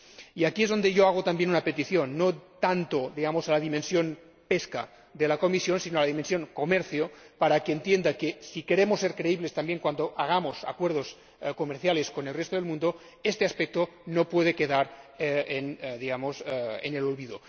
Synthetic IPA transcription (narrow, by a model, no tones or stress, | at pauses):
iakiezðo̞nd̪eʝoaɣ̞ot̪ambjenunapet̪iθjonːot̪ant̪od̪iɣamozalaðimẽnsjon | peska̰ | ðelakomisjonsinoalaðimensjoŋkomeɾθjopaɾakeːnt̪jend̪akesikeɾemosːeɾkɾeiβlest̪ambjeŋkwand̪oʔaɣ̞amosa̰kweɾðos | komeɾθjaleskonelrest̪oð̞elmũnd̪o | est̪easpek̚t̪o | nopweð̞ekeðaɾenðiɣamosḛnelolβiðo